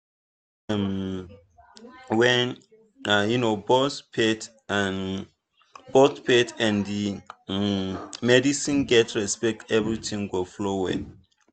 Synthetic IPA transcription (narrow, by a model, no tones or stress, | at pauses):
m | wɛ̃n | ajunobɔspʰɛt | an | botpʰɛtʰãndi | mɛdisĩnɡɛtɹɛspɛk̚tɛvɹitʰĩŋɡoflowɛ̰